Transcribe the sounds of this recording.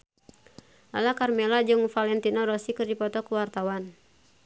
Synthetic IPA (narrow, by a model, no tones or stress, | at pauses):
alakarmɛlad͡ʒɨŋfalɛnt̪inɔɾɔsikɨrdipɔt̪ɔkuwart̪awan